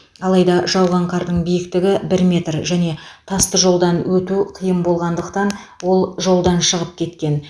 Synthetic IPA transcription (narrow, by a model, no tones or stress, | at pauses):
ɑlˠɑjd̪ɑʒɑwʁɑɴqʰɑɾd̪əɴbijɪkt̪ɪɡʲɪbɪɾmʲe̞t̪rʒæne̞t̪ʰɑst̪əʒo̞lˠd̪ɑnwɵt̪uqʰəjəmbo̞lˠʁɑnd̪əqt̪ɑnwo̞lˠʒo̞lˠd̪ɑnʃəʁəp̚kʲʰe̞t̪kʲe̞n